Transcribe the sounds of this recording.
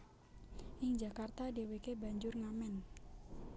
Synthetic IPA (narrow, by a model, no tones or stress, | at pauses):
ʔɪŋd͡ʒakart̪adewekebaɲd͡ʒʊrŋamɛn